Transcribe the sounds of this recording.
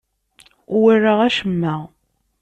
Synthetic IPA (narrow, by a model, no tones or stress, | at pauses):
wirːaʁæʃəmːæ